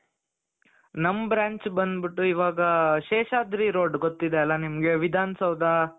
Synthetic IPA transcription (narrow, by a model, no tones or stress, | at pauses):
nɐmbɾaːɲt͡ʃbɐnd̪biʈːuiʋaːɡɐʃeːʃaːd̪ɾiɾoːɖɡot̪ːid̪eɐlːɐnimɐɡe̞ʋid̪ʱaːnɐsɐʋd̪a